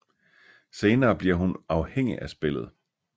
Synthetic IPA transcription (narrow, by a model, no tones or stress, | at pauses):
se̝ːnɐːb̥liɐ̰ɦunɑ̈ʊheŋ̰ḭʔæsb̥e̝l̰ð̞̩ˠ